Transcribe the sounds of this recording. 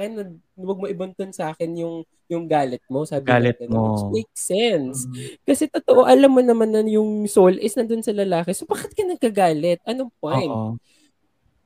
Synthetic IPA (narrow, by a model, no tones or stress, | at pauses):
ɐnːɐɡ | wɐɡ̚moʔɪbɐnt̪onsaːkɛnjʊŋ | jʊŋɡaːlɛt̪̚mo̞saːbɪalɛt̪ɐnosmɛjk̚sɛnskɐsɛt̪ot̪oʔoʔɐlamːɐnɐmanːɐjʊŋsolʔɛsnɐnd̪onsɐlɐlaːkɛsobakɪt̪̚kɐnɐɡkɐɡaːlɛt̪̚ʔɐnoŋp̚ojnt̪